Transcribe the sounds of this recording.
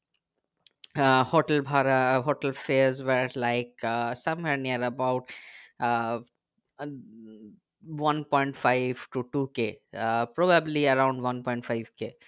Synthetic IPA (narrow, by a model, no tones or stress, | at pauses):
hoːʈəlbʱaɾəɦoːʈəlfeɾzʋəɾlaɪksɐ̃mwɛɾniəɾəbaʊʈ | ʋɐ̃npɔ̃ɪ̃ɳʈfaɪʋʈuʈuːkepɾobəbliɐɾãʊ̃ɳɖʋɐ̃npɔ̃ɪ̃ɳʈfaɪʋke